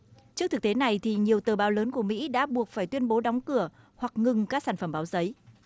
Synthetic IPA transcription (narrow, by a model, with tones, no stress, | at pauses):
t͡ɕɨ˦˥k̚t̪ɨ˨˩k̚t̪e˨˦na˨˩jt̪ʰi˨˩ɲi˨˩əwt̪ɨː˨˩ɓaː˨˦wləː˨˦nku˧˩əmḭ˧˥ɗa̰ː˧˥ɓu˨˩ək̚faː˧˩jt̪wi˧ənɓo˨˦ɗɔ˨˦wŋ͡mkɨ˧˩ə | hwa˨˩k̚ŋɨ˨˩ŋkaː˦˥ksaː˧˩nfə˧˩mɓaː˨˦wzə˨˦j